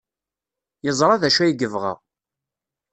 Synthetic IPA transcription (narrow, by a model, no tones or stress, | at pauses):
jəzˤɾˤɑðæʃæjiɡəvʁə̰ʁ